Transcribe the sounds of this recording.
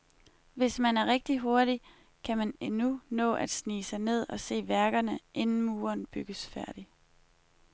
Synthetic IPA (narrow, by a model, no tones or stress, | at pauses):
ʋe̝smænæɐʁɛɡ̥̚d̥iɦo̝ɐɾi | kʰæmænenunɔ̰̽ːʔæd̥sniːsɑ̈ɪne̝ð̞̰ˠɒ̽se̝̰ːʋæɐɡ̥ɐnəʔe̝nn̩muːɐnb̥yɡ̥əsfæɐ̰d̥i